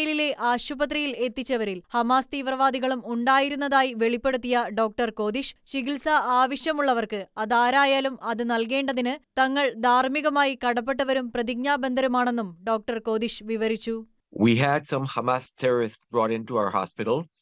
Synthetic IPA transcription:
lile̞ʔaːɕubɐt̪̬rijile̞t̪ːit͡ɕːɐʋɐɾilhɐmaːst̪iːʋrɐʋaːd̪iɣɐɭumuɳɖaːjiɾunːɐðaːjiʋe̞ɭipːe̞ɽut̪ːijɐɖo̞ːk̚ʈɐrko̞ːd̪iʂt͡ɕiɣilsɐaːʋɐɕjɐmuɭːɐʋɐrkɨɐðaːɾaːjaːlumɐðɨnɐlke̞ːɳɖɐðinɨt̪ɐŋːɐɭd̪ʱaːrmiɣɐmaːjikɐɽɐp̬ːe̞ʈːɐʋɐɾumprɐðiɡ̚ɲaːbend̪ʱɐɾɐmaːɳe̞nːumɖo̞ːk̚ʈɐrko̞ːd̪iʂʋiʋɐɾit͡ɕːu | wiːɦædsɐ̃mhɐmaːstʰɛɾɔɹisʈsb̥ɹɔːɾɪ̃ntuaʊəha̰spɪɾəl

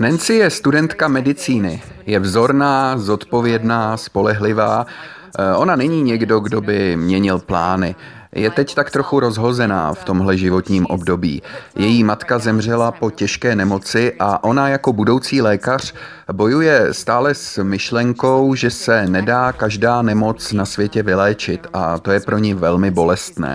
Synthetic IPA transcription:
nɛnt͡sɪjɛst̪udɛnt̪kamɛdɪt͡siːnɪ | jɛvzo̞ɾnaːzo̞t̪po̞vjɛdnaːspo̞lɛɦlɪvaː | ʔo̞nanɛɲiːɲɛɡdo̞ɡdo̞bɪmɲɛɲɪlplaːnɪ | jɛt̪ɛct̪akt̪ɾo̞xuɾo̞zɦo̞zɛna̰ːft̪o̞mɦlɛʒɪvo̞t̪ɲiːmʔo̞bdo̞bḭːjɛjiːmat̪kazɛmr̝ɛlapo̞cɛʃkɛːnɛmo̞t͡sɪʔaʔo̞najako̞budo̞wt͡siːlɛːkar̝̥ | bo̞jujɛst̪aːlɛsmɪʃlɛŋko̞wʒɛsɛnɛdaːkaʒdaːnɛmo̞t͡snasvjɛcɛvɪlɛːt͡ʃɪt̪ʔat̪o̞jɛpɾo̞ɲɛvɛlmɪbo̞lɛst̪nɛ̰ː

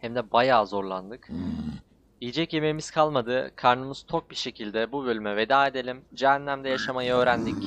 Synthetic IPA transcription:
hæmd̪ɛbajaːzo̞ɾlˠand̪ɯk | ijid͡ʒɛcje̞me̞miz̥kʰalˠmad̪ɯkʰaɾnɯmɯz̥t͡ʃʰo̞k̚biʃe̞cʰilʲd̪ɛbubø̞lʲymɛve̞d̪aːed̪e̞lʲimd͡ʒɛɦænːʲæmd̪ɛjaʃamajɯø̞ːɾænd̪ic

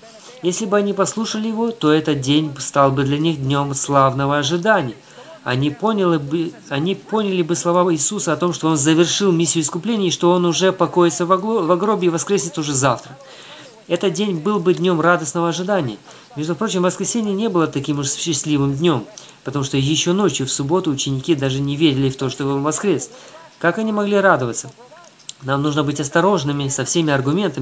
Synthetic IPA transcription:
jesʲlʲɪbɨɐnʲipɐslˠuʂəlʲɪjɪvo̞t̪o̞ɛt̪ət̪̚dʲenʲbst̪alˠbɨd̪lʲɐnʲixd̪ʲnʲo̞mslˠavnəvəɐʐɨd̪anʲɪjə | ɐ̰nʲipʲ | ɐnʲipo̞nʲɪlʲɪbɨslˠɐvaɪːsusəɐt̪o̞mʂt̪o̞o̞nzəvʲɪrʂɨlˠmʲisʲːjʊɪskʊplʲenʲɪjʂt̪o̞o̞nʊʐɛpɐko̞jɪt̪səvɐɡɾo̞bʲɪɪvɐskɾʲesʲɪt̪ʊʐɛzaft̪ɾə | ɛt̪ət̪̚dʲenʲbɨlˠbɨd̪ʲnʲo̞mrad̪əsnəvəɐʐɨd̪anʲɪjə | mʲe̞ʐd̪ʊpɾo̞t͡ɕɪmvəskɾʲɪsʲenʲɪjənʲe̞bɨlˠət̪ɐkʲimʊʂɕːɪsʲlʲivɨmdʲnʲo̞m | pət̪ɐmuʂt̪ojɪɕːo̞no̞t͡ɕjʊfsʊbo̞t̪ʊːt͡ɕːɪnʲɪkʲid̪aʐɨnʲɪvʲeɾʲɪlʲɪft̪o̞ʂt̪obɨnvɐskɾʲe̞skakɐnʲimɐɡlʲiɾad̪əvət̪sə | namnuʐnəbɨtʲɐst̪ɐɾo̞ʐnɨmʲɪsɐfsʲemʲɪɐrɡʊmʲe̞nt̪əmʲɪ

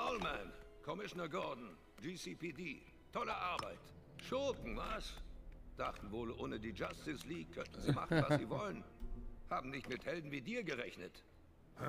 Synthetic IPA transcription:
pɔʊlmɛnkʰɔmɪʃonɐɡɔɐdn̩ | d͡ʒiːsiːpʰiːdiː | tʰɔləʔaɐbaɪt | ʃokŋ̩vasd̥aχtn̩voːlʔoːnədiːd͡ʒastɪsliːkkʰœntn̩ziːma̰χn̩vasziːvɔlənhaːbm̩nɪçtmɪthɛldn̩viːdiːɐɡəʁɛçnə̰t

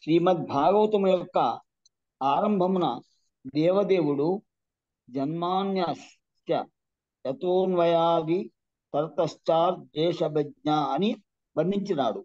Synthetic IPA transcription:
ʃɾiːmɐt̪̚bʱaːɡɐʋɐt̪ɐmujɔkːɐ | aːɾɐmbʱɐmunɐ̰ | d̪ɛːʋɐd̪eːʋuɽu | d͡ʒɐnmaːnjaʃ | jɐ̰ | jɐt̪oːnʋɐjaːɡ̪i | t̪ɐɾt̪ɐʃt͡ʃaːɾd͡ʒ̪ɛːʂɐbɐɡɲaɐni | bɐnd̪iɲt͡ʃina̰ːɽu

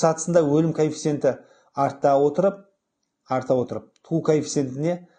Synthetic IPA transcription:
sɑt̪ə̥sənd̪ɑwɵlɪmkʰojfi̥se̞nt̪ɪ | ɑɾt̪ːɑwo̞t̪əɾəp̚ | ɑɾt̪ɑwo̞t̪əɾəp̚t̪ʰukʰojfʲi̥se̞nt̪ɪne̞

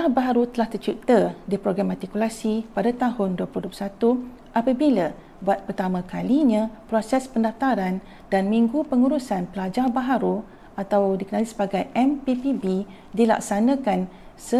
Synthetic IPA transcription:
abaɦaɾut̪əlaht̪ərt͡ʃut̪ədipɾoɡɾamart̪ikulasipadat̪aɦʊnduəpluhduu̥sat̪u | ʔapabila | buat̪̚pərt̪amãkaliɲãpɾosɛspəndaft̪aɾan | danmĩŋɡupəŋuɾusanpəlad͡ʒabaɦaɾu | at̪awdikənalisəbaɡajʔɛmpipibi | dila̰ksanãkan | sə

